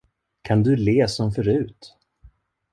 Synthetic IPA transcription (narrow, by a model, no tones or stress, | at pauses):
kʰand̪ɵleːsɔmfœɾʉ̟ːt̪